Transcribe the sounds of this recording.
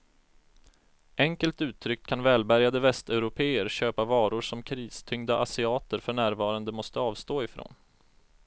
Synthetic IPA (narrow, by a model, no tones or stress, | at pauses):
ʔɛŋkəlt̪ʉ̟ːt̪ʰːɾʏkkʰanvɛːlbæɾjad̪əvɛst̪ɛʉɾʊpʰeːəɾɕøːpavɑːɾʊʂɔmkʰɾiːst̪ʰʏŋd̪aʔasɪɑːt̪əɾfœɳæːɾvɑːɾand̪əmɔst̪əɑːvst̪oːɪfɾo̰ːn